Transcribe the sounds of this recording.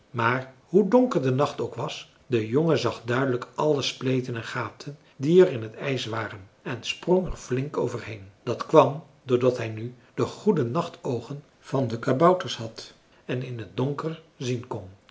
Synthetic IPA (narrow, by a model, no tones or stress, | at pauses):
maːrɦudoŋkəɹdənɑχtowkʋɑs | d̥əjoŋəzɑχdœɥdələkʔɑləsplejtənɛnχaːp̚tʰən | diɛrɪnɦətɛjsʋaːrənɛnsproŋɛ̰ɹvlɪŋko̰wvəɹɦejnd̥ɑtkʋɑm | dʊːɹdɑtɦɛjny | d̥əχudənɑχtowχən | v̥ɑndəkabʌwtəɹsɦɑt | ɛnɪnɦət̚doŋkərzinkɔn